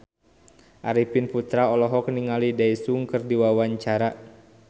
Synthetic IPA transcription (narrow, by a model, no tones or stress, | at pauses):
ʔaɾipinput̪ɾaɔlɔɦɔkniŋalidaisuŋkərdiwawaɲt͡ʃaɾa